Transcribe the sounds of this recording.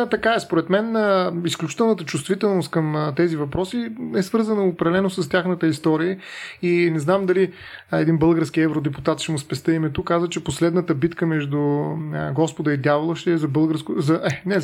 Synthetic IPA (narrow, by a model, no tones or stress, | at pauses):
t̪ɐkaɛspoɾɛt̪mɛnəisklʲut͡ʃit̪ɛlˠnət̪ət͡ʃust̪vit̪ɛlˠnʊst̪kəmt̪ɛzivɐpɾɔsiɛsvɤɾzənəʊpɾɐlɛnosəst̪ʲjaxnət̪əist̪ɔɾiəinɛznamd̪ɐli | ɛd̪inbɤlˠɡəɾskiɛvɾod̪ɛput̪at̪ʃɛmʊspɛst̪əimɛt̪ʊkːazvət͡ʃɛposlɛd̪nət̪əbit̪kəmɛʒd̪ʊɡɔspod̪əid̪javolˠəʃt̪ɛɛzɐbɤlˠɡəɾskʊzɐʔɛnɛ